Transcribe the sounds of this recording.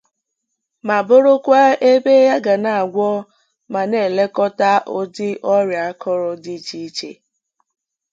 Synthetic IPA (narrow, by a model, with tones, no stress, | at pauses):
ma˨bʊ˦ɾʊ˦kʷa˦e˦be˦ja˦ɡa˨na˨a˨ɡʷɔ˦ | ma˨ne˨le˦kɔ˦ta˦ʔo˦dɪ˦ʔɔ˦ɾja˨a˦kʰɔ˦ɾɔ˨di˦t͡ʃi˦i˦t͡ʃḛ˨˦